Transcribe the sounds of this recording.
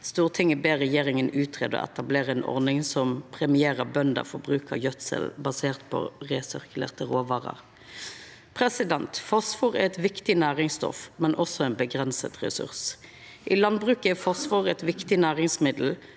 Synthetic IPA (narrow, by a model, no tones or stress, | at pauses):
st̪uːʁt̪ʰɪŋːəbeːʁɛjeːʁɪŋənʉːt̪ʰɾḛːd̪ɔ̰ʔɛ̰t̪ɑbleːʁəɛnʔɔ̰ʁnɪŋsɔmpʰɾɛmɪeːʁəbœnd̪ə̰fɔɾbʁʉːkəjœt̪sə̰lbɑseːʁt̪pʰɔ̰ʁɛsʏʁkʉlḛːʁt̪əʁoːʋɑːʁɑ̰ʁ | pʰɾɛsɪd̪ɛnt̪fɔsfuʁɛɛt̪ʋɪkt̪ɪnæːʁɪŋst̪ɔ̰fmɛnʔɔsːɔɛːnbəɡʁɛnsə̰t̪ʁɛ̰sʉ̰ʁs | ʔɪlɑnbʁʉːkəɛfɔsʋuːɾɛt̪ʋɪkt̪ɪnæːʁɪŋsmɪd̪l̩